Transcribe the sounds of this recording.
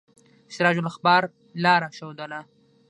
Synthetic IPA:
ʃɪɾɑd͡ʒʊlaxbɑːɾ | lɑːɾaʃawd̪ana

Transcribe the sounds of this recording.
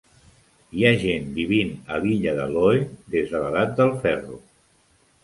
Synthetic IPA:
iaʒenbiβinəβiʎəðə̰lɔjðezðələðat̪̚d̪əlˠfɛrṵ

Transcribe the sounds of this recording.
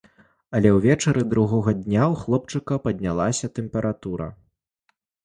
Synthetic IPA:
ɐlʲɛwvʲɛt͡ʂɐɾɨd̪ɾuɣɔɣɐd̪ʲnʲawxlˠɔp̚t͡ʂɨkɐpɐd̪ʲnʲalˠasʲɐt̪ɛmpɛɾʔat̪uɾɐ̰

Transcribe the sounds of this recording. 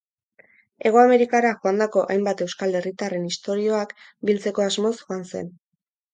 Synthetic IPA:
e̞ɣ̞oame̞ɾikaɾaʝoand̪ako̞ʔajmbat̪e̞wskale̞rit̪are̞nist̪o̞ɾio̞ak | bilt͡se̞ko̞azmo̞sxoanse̞̰n

